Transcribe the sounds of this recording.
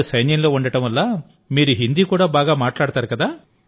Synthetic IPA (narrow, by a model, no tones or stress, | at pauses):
sɐjnjɐŋlo̞ːuɳɖɐʈɐmʋɐlːaː | miːɾuɦind̪iːkuːɽaːbaːɡaːmaːʈlaːɽt̪aːɾukɐd̪aː